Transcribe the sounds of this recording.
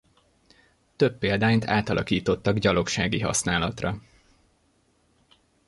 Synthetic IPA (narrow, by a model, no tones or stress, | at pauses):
t̪ø̞pːeːld̪aːint̪aːt̪ɒlʔɒkiːt̪o̞t̪ːɒɡɟɒlo̞kʃaːɡiɦɒ̰snaːlɒt̪rɒ